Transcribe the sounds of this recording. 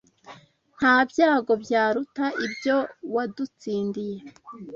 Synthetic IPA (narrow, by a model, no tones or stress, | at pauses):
n̥haːbjaːɡo̞bjaːɾutaʔibjo̞wadut͡siːndije̞